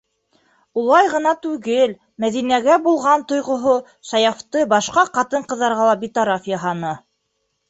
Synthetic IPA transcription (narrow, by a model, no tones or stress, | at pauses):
ulˠɑjʁɤ̆nɑt̪ʉɡɘl | mæðinæɡæbulˠʁɑnt̪ŏjʁŏɦo | ʃɑjɑft̪ɤbɑʃqɑqɑt̪ɤɴqɤ̆ðːɑɾʁɑlˠɑbit̪oɾafjɑɦɑnɤ